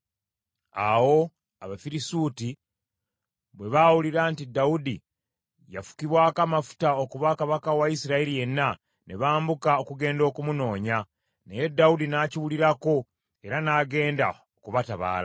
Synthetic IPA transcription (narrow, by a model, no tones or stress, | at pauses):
a̰wo̞ | aβafiɾisuːti | βwe̞βawuliɾaːntidːaudi | jafu̥kiβwaːkamafu̥taokuβakaβakawaisiɾaelije̞nːa | ne̞βaːmbukaokuɡe̞ːndo̞ːkumuno̞ːɲa | neje̞dːaudinaːciwuliɾako̞ | e̞ɾanaːɡe̞ːnda̰ | okuβataβa̰ːla